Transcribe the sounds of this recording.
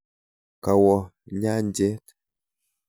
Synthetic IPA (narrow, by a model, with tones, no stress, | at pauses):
ka˨wɔ˨ | ɲa˦n˦d͡ʒɛ˦t